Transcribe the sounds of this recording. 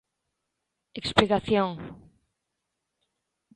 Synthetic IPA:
eksplikaθjoŋ

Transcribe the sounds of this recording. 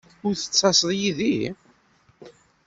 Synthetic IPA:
ʊɾθə̥t͡sːɑsəðˤjiði

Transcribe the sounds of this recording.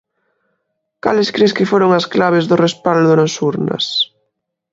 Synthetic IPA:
kalɪskɾeskɪfoɾoŋasklaβ̞ɪzðʊrespald̪ʊnasuɾnɐ̰s

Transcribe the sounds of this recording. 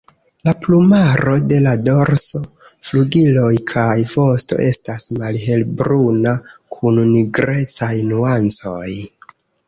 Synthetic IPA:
laplumaɾo̞de̞lado̞ɾso̞ | fluɡilo̞jkʰajvo̞sto̞̰ʔe̞stasmalɦe̞lbɾunakʰunniɡɾe̞t͡sajnuant͡so̞j

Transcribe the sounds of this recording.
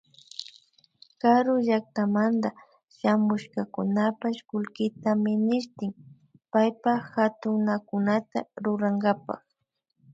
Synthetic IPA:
kaɾʊʒak̚t̪amand̪a | ʃamʊʃkakʊnapaʃkʊlkɪt̪amɪnɪʃt̪ɪŋ | pajpaxat̪ʊŋnakʊnat̪aɾʊɾaŋɡapa̰x

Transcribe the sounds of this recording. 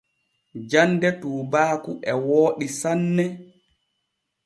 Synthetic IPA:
d͡ʒandɛtuːbaːkuʔɛwoːɗisanːɛ

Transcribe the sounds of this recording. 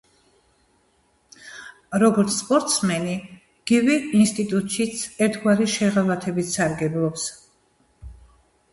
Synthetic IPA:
ɾɔɡɔɾt̪sʰspʼɔɾt̪ʼsmɛni | ɡ̥ivɛinst̪ʼit̪ʼut̪ʼʃit̪sʰɛɾt̪ʰɡwaɾiʃɛʁalat̪ʰɛbit̪saɾɡɛblˠɔps

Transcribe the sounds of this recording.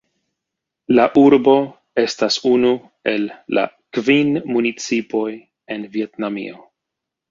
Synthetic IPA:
laʔuɾbo̞ | e̞stasunu | e̞lːa̰ | kvinmunit͡sipo̞j | e̞nvie̞tnamḭo̞

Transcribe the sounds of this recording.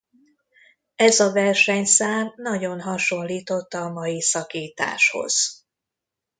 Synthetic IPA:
ɛzɒvɛrʃɛɲsaːnːɒɟo̞nɦɒʃo̞nliːt̪o̞t̪ːɒmɒjisɒkiːt̪a̰ːʃho̞̰z̥

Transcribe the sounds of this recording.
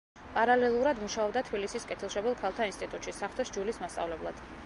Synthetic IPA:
pʼaɾalɛlˠuɾad̪muʃaɔbd̪at̪ʰbilisiskʼɛt̪ʰilˠʃɔbɛlˠkʰalˠt̪ʰainst̪ʼit̪ʼut̪ʃisaχt̪ʰʼɛsd͡ʒulismast̪sʼa̰vlɛblˠad̪̥

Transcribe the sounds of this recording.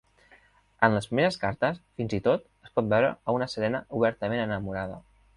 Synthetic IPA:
ənləspɾimeɾəskaɾt̪əsfinzit̪ot̪ | əspɔt̪̚bɛwɾə̰ːunəsəɾɛnəʔuβ̞ɛɾt̪əmenənəmuɾaðə̰

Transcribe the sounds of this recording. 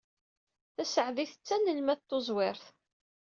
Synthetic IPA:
θæsəʕðiθət͡sːænəlmæt̪ːozˤwɪɾθ

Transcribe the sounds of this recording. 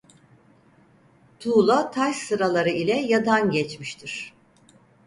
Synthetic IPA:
t̪ʰuːlˠat̪ʰajsɯɾalˠaɾɯilʲɛjad̪anɟɛt͡ʃmiʃt̪ʰiɾ̥

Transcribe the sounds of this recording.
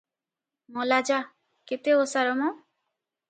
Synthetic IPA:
mɔlad͡ʒa | ket̪eosaɾɔmɔ

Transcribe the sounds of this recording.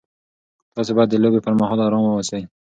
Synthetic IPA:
t̪ɑsobɑjad̪ːəlobepəɾmaɦɑlɑɾɑnwəwasaj

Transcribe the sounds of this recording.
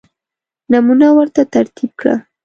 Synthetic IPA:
namunawaɾt̪at̪aɾt̪ib̚kɽa̰

